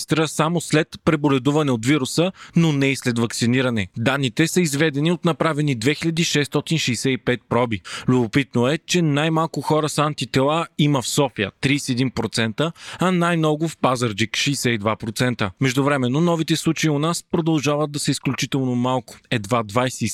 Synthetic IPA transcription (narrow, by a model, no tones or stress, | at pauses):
st̪ɾəsamoslɛt̪pɾɛbolɛd̪uvɐnɛot̪viɾusənonɛislɛt̪vɐksiniɾɐnɛd̪anːit̪ɛsəizvɛd̪ɛniot̪nɐpɾavɛnid̪vɛxilʲɐd̪iʃɛst̪ɔt̪inʃɛjsɛipɛt̪̚pɾɔbilʲʊbopit̪noɛt͡ʃɛnajmalˠkʊxɔɾəsant̪it̪ɛlˠaiməfsɔfijə̰t̪ɾijsɛɛd̪inpɾot̪sɛnt̪əɐnajmnɔɡʊfpazəɾd͡ʒikʃɛːsɛid̪vapɾot̪sɛnt̪əmɛʒd̪ʊvɾɛmɛnːonɔvit̪ɛslˠut͡ʃɐiʊnaspɾod̪ɐlˠʒavəd̪̚d̪ɐsɛisklʲut͡ʃit̪ɛlˠnomalˠkʊ̥ɛd̪vad̪vajsɛ